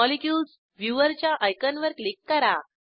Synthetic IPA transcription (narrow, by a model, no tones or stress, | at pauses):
ɔlikjuːls | ʋjuʋəɾt͡ɕjaʔajkənʋəɾklikːəɾa